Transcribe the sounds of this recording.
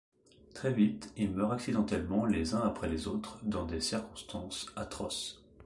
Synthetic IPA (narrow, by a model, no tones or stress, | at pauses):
t̪χɛvit̪ilmœʁaksid̪ɑ̃t̪ɛlmɑ̃lezɛ̃apχɛlezot̪χd̪ɑ̃d̪esiʁkɔ̃st̪ɑ̃sat̪χɔs